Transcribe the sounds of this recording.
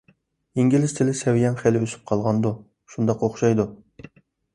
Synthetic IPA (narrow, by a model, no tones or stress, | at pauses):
iŋɡʲilɪst̪ʰɪlɪsɛwijɛnχælɪøsy̥p̚qʰɑlˠʁɑnd̪u | ʃund̪ɑqoχʃɑjd̪u